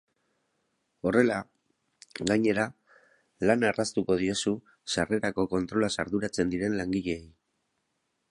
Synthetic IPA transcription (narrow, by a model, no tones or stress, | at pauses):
o̞re̞la | ɣaɲe̞ɾa | lanarast̪uko̞ð̞io̞su | sare̞ɾako̞ko̞nt̪ɾo̞lasaɾðuɾat͡se̞nd̪iɾe̞nlaŋɡiʎe̞ːj